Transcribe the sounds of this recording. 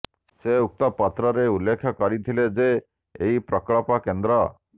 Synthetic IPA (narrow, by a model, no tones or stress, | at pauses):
seuk̚t̪ɔpat̪ɾɔɾeulːekʰjɔkɔɾit̪ʰiled͡ʒeː | ɦipɾɔkɭɔpakend̪ɾɔ